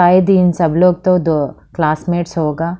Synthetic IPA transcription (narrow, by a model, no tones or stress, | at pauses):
aːed̪iːnsɐbloːɡ̚t̪od̪o | klaːsmeːʈsɦoːɡaː